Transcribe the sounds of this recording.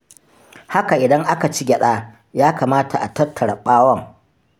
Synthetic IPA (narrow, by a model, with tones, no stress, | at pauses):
ha˦ka˨ʔɪ˨dɐ˦ŋʔa˦ka˨t͡ʃi˦ɡʲɐ˨ɗaː˦ | jaː˦kaː˨maː˦tʰa˨ʔa˨tɐ˦rtʰːɐ˨ɽɐ˨ɓaː˦wɐ˦˨ŋ